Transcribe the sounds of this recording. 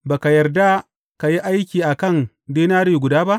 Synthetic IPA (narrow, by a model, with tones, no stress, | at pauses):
baː˨ka˨jɐ˨rda˦ | ka˨ji˦ʔa˦jkʲiː˨ʔa˨kɐ˦˨n | deː˦naː˦ɽji˨ɡʷʊ˨daː˦ba˦ʔ